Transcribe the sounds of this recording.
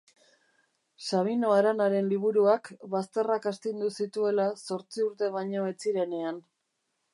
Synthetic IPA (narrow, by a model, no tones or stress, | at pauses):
saβino̞aɾanaɾe̞nliβ̞uɾuakβast̪e̞rakast̪ind̪usit̪ue̞laso̞ɾt͡siuɾt̪e̞β̞aɲo̞e̞t͡siɾe̞ne̞an